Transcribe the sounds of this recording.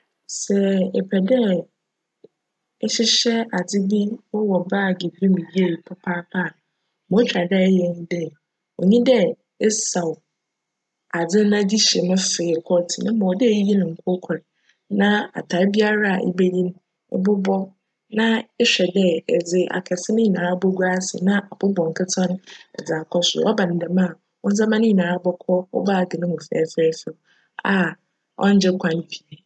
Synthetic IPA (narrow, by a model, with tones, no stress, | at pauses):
sɛ˨ɛ˨pʰɛ˨dɛ˦ | ɛ˦ɕɪ˦ɕɛ˦a˨d͡zɪ˦bi˦wɔ˦wɔ˨ba˦˨ɡi˨bi˦mĩ˨di˦e˦˨ji˨pʰʊ˦pʰaː˦pʰa˦˨ | mɔ̃˦t͡ɕᶣa˨dɛ˦jɛ˦n˦dɛ˦ | o˨ɲĩ˦dɛ˦ | ɛ˦sa˨w | a˨d͡zɪ˦nã˦di˦ɕɛ˨mʊ̃˦feː˨kʰɔ˦tʰi˨nʊ̃˦mɔ̃˨wɔ˨dɛ˦ji˦nʊ̃˨ŋ̩˨kʰo˦kʷʰʊ˨ɾɪ˨ | nã˦a̰˨tʰa˨˦bi˦a˦ɾa˦a˨ʔɪ̰˦be˦ji˦n˦ | ɪ̰˦bʊ˦bɔ˦ | nã˦ɛ˦ɕᶣɛ˨dɛ˦ɛ˨d͡zɪ˨ʔa̰˨kʰɛ˨sɪ˦nɪ̃˦ɲi˨nã˨a˦bɔ˦ɡu˦a˦sɪ̰˨nã˦ʔa˨bʊ˦bɔ˨ŋ̩˨kʰɪ˦tʰɔ̃˦n˦ɛ̰˨d͡za˨kʰɔ˦sʊ̰˨ɔ˦bã˨n̩˨dɛ˨mã˦˨ | ʊ˦n̩˦d͡zã˦mã˦nɪ̃˦i˨nãː˨a˦bɔ˦kʰɔ˦ɔ̰˦ba˦˨ɡɪ˨nɪ̃˦mʊ̃˨fɛ̰˨˦fɛː˦fɪ˨ | a˨ | ɔ̰˦n̩˦d͡ʑɛ˦kʷʰã˨n˦bi˨e˨